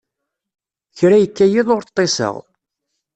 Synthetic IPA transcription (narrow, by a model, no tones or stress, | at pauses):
çɾæjəkːæjiðˤʊɾt̪ˤːesə̰ʁ